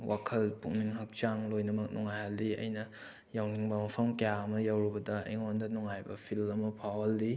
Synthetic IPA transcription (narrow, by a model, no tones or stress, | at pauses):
wʔakʰɐlpuŋniŋɦɐk̚t͡ʃaŋlojnɐmɐk̚nuŋajhalːiɐ̰jnɐ | jawniŋbɐmɐpʰɐmkɐjaɐmɐjawɾibɐdɐḭŋondɐnuŋajbɐ̰pʰilmɐmɐpʰawɐldi